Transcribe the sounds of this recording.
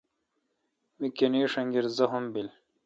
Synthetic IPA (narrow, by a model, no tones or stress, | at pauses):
mikeniːʂɐŋɡiɾzɐɦumbil